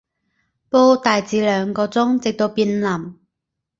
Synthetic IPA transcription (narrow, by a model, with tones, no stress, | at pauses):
po˥wt̪aː˨jt͡siː˨˥lœː˨˧ŋkɔː˧t͡sʊ˥ŋt͡sɪ˨k̚t̪o˧wpiː˧nlɐ˨˩m